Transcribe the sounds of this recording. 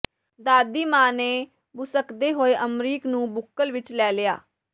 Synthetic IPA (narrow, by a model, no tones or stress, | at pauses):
d̪aːd̪iːmaːneː | bʊsəkd̪eːɦoːeʔəmɾiːknũːbʊkːəlʋɪt͡ʃlɛːlɪja̰ː